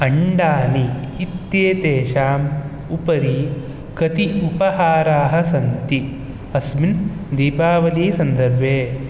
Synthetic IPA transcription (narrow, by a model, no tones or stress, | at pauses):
ɐɳɖaːliː | t̪jeːt̪eːʃaːm | upɐɾi | kɐt̪iupɐhaːɾaːɦɐ̆sɐnt̪i | ɐsmind̪iːpaːʋɐliːsɐnd̪ɐɾbʱeː